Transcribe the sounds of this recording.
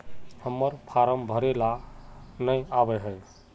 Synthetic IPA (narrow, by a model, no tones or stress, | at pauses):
həmːəɾpʰaɾəmbʱəɾelanəjabəɦəj